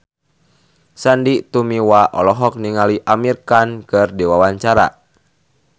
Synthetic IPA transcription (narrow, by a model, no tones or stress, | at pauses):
sandit̪umiwaʔɔ̰lɔɦɔk̚niŋaliʔamirkankɨrdiwawaɲt͡ʃaɾa̰